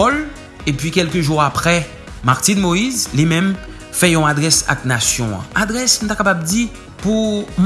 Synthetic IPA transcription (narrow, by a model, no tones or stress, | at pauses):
ɔl | epɥikʲɛlkəʒuʁapʁɛ | maʁt̪ĩnmoizlimɛ̃m | fɛjɔ̃ad̪ʁɛsa̰k̚nasjɔ̃ã̰ʔad̪ʁɛsnut̪akapab̚d̪i | pum